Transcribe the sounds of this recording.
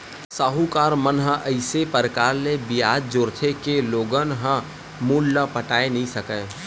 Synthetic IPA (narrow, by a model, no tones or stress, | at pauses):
saːɦukaːɾmənɦə̃ʔəɪsepəɾkaːɾlebɪjaːd͡ʒ̚d͡ʒoːɾt̪ʰekeloːɡənɦə̃ | muːlːəpəʈaːenəɦĩsəkə